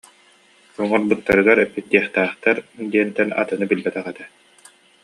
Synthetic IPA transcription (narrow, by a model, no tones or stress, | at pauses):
ɔŋɔɾbɯt̪ːaɾɯɡaɾɛpːit̪ːiɛχt̪æːχt̪aɾd̪iɛnt̪ɛna̰t̪ɯnɯbilbɛt̪ɛʁɛt̪ɛ